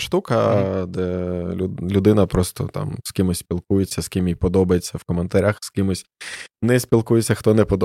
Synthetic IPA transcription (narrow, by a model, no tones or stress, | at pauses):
ʃt̪ukɐd̪ɛlʲlʲʊd̪ɪnɐpɾɔst̪ɔ̰t̪ɑ̰mskɪmʊsʲsʲpʲilˠkujet͡sʲːɐskʲɪmjipɔd̪ɔbɐjet͡sʲːɐwkɔment̪ɐɾʲaxskɪmʊsʲnɛsʲpʲilˠkujet͡sʲːɐxt̪ɔnɛpɔd̪ɔ